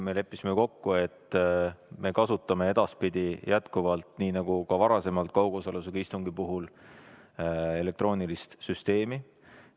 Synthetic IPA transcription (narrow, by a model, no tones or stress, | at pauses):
me̞le̞pːˑisimeko̞kːue̞t̪ː | me̞kɑsut̪ːˑɑme̞e̞d̪̥ɑspid̪̥ʲijʔæt̪kuvɑlt̪niːnɑɡ̥ukɑvɑɾɑse̞mɑlt̪̚kɑwɡ̥osoles̬uɡ̥ɑist̪uŋɡipuɦul | e̞le̞k̚t̪ɾo̞ːnilist̪syst̪e̞ːmi